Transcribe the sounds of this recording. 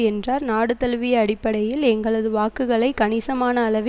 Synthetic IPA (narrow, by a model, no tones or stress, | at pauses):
ɛndraːɾnaːɽɯt̪ːɐlʋɪjɐːɽɪpːɐɽɐjɪlɛŋɡɐɭɐðɯʋaːkɯɣɐɭɐɪkɐnɪsɐmaːnɐːlɐʋɪ